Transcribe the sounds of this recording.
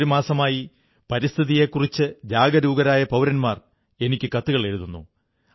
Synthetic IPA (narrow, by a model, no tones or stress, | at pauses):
ɾumaːsɐmaːji | pɐɾist̪ʰiðije̞kːurit͡ɕːɨd͡ʑaːɡɐɾuːɡɐɾaːjɐpɐwɾɐnmaːr | e̞nikʲːɨkɐt̪ːuɣɐɭe̞ɾuðunːṵ